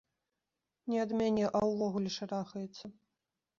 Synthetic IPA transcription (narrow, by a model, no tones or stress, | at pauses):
nʲɛɐd̪mʲanʲɛʔɐwvɔɣulʲɛʂaɾaxɐjɛt̪sːɐ